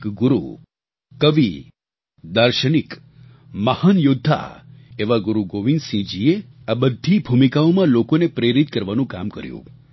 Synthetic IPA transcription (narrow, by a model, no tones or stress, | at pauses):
kɡʊɾṵ | kəʋi | d̪əɾʃənik | məhənjʊd̪ʱːa̰eʋaɡuɾuɡoʋinsĩd͡ʒieabəd̪ʱːibʱumikaomãlokonepɾeɾit̪kəɾʋanũkamkə̰ɾjṵ̃